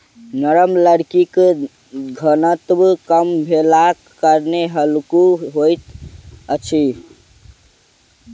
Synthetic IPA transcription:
nəɾəmləɽkik | ɡʱənət̪bkəmbʱelak | əɾneɦəlkuɦojt̪ət͡ʃʰi

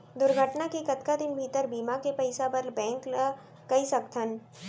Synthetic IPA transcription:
d̪ʊɾɡʱəʈnakikɐt̪kad̪ɪnbʱit̪əɾbiːmakepɐɪsabəɾlbɛ̃ːŋk | kɐisɐkt̪ʰən

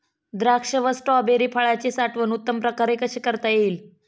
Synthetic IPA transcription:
d̪ɾakʂəʋəsʈɔbeɾiːpʰaɭat͡ɕisaʈʋənut̪ːəmpɾəkaɾekəɕikəɾt̪ajeil

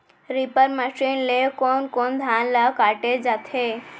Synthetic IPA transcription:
ɾipəɾməʃiːnlekoːnkoːnd̪ʱaːnləkaːʈed͡ʒat̪ʰe

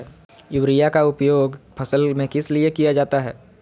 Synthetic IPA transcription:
jʊʋɾijakaʊpjoːɡpʰɐsəlmẽkɪsliekijad͡ʒaːt̪aɦɛː

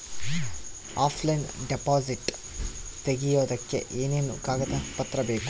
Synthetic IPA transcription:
aːfʰlɐjnɖepaːziʈ | t̪eɡijoːd̪ɐkːḛʔeːneːnṵkaːɡɐd̪ɐpɐt̪ɾɐbeːku̥

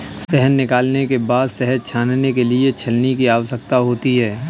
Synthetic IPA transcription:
sɛɦənːɪkaːlnekebaːd̪sɛɦəd̪̚t͡ʃʰaːnnekeliet͡ʃʰɐlnikiaːʋəsək̚t̪aɦoːt̪iɦɛː

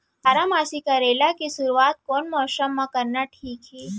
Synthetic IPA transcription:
aːɾamaːsikaɾeːlakisuɾuaːt̪̚koːnmɔːsəmːãkɐɾnaʈʰiːkɦeː

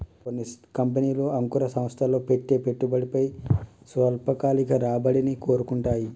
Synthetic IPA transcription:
konːikɐmpɐniːloːɐŋkuɾɐsɐmɐst̪ʰɐlo̞ːpe̞ʈːe̞ːpe̞ʈːubɐɽipɐj | sʋɐlpɐkaːlikɐɾaːbɐɽiniko̞ːɾukuɳʈaːji

